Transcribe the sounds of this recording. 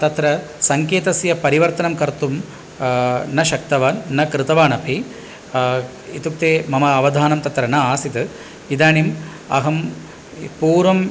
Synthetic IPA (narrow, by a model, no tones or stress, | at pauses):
t̪ɐt̪ɾɐ | sɐŋkeːt̪ɐsjɐpɐɾiʋɐɾt̪ɐnɐmkɐɾt̪um | nɐʃɐk̚t̪ɐʋɐnɐkɾɨt̪ɐʋaːnɐpʰi | it̪uk̚t̪eːmɐmɐːʋɐd̪ʱaːnɐmt̪ɐt̪ɾɐnɐaːsit̪ɨ | id̪aːnim | ɐ̰ɦɐm | puːɾʋɐm